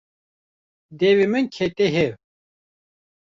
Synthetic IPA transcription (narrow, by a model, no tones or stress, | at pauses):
d̪ewemɨnkʰet̪eɦew